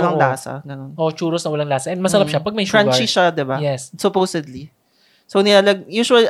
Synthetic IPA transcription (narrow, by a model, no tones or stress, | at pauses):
lɐŋlaːsɐ̰ɡɐnonʔot͡ʃuːɾosnɐwɐlɐŋlaːsɐʔɛnmɐsɐɾapʃapɐɡ̚mɐjɾɐnt͡ʃiʃad̪ɪbajɛssʊpowsɛd̪li | sownɪlaːlɐɡjuːʃʊwɐli